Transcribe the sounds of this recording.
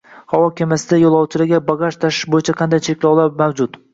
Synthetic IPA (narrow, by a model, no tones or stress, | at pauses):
hawɒkʲʰamasɪd̪ajolˠɒwt͡ʃʰɪlɪɡʲabaɡaʃt̪ʰaʃɪ̥ʃbojɪt͡ʃʰaqʰɑnd̪ajt͡ʃʰe̞kʲlawlˠaɾmawd͡ʒʊt̪